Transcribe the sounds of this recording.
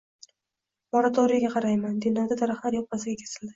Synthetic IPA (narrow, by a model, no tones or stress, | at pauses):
moɾat̪ʰoɾijaɡʲaqʰɑɾajmand̪inlaɾd̪ad̪aɾaχlˠaɾjɒp̚masɪɡʲakʲʰe̥sɪld̪ɪ